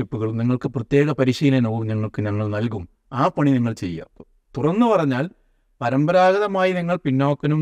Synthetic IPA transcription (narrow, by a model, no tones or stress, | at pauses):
upːuɣɐɭumniŋːɐɭkɨprɐt̪je̞ːɣɐpɐɾiɕijlɐnoːɣumɲɐŋːɐɭkɨɲɐŋːɐɭnɐlkum | aːpɐɳiniŋːɐɭt͡ɕe̞̰jːɐ̰ | t̪urɐnːɨpɐrɐɲːaːl | pɐɾɐmbɐɾaːɡɐðɐmaːjiniŋːɐɭpiɳːoːkːɐnum